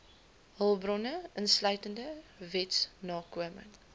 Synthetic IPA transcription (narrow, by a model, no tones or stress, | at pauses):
ɦəlˠbrɔnəʔənslœɥtəndəvɛtsnɑːkuəmə̰ŋ